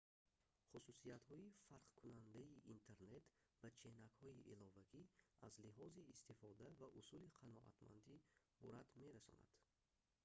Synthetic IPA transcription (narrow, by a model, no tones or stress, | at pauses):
χususiat̪hɔifaɾqkʰunand̪aiʔint̪ʰeɾne̞t̪ | bat͡ʃʰenakhɔiʔilɔvaɡiazliɦɔziːst̪efɔd̪avaʔusuliqʰanɔʔa̰t̪ma̰nd̪i | buɾad̪me̞ɾasɔ̰na̰d̪̥